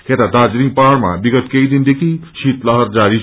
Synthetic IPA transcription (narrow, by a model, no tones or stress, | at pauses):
kʰet̪ad̪ad͡zɾiŋpaɽma̰biɡʌt̪kejd̪ind̪ekʰisit̪lʌɦʌrd͡zaɾi